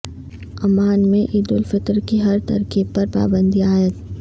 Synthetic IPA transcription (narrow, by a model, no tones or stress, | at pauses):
ɐmaːnmẽʔiːd̪ʊlfɪt̪ɾkiɦɐɾt̪ɐ̰ɾkipɐɾpa̰ːbə̃nd̪iaːjət̪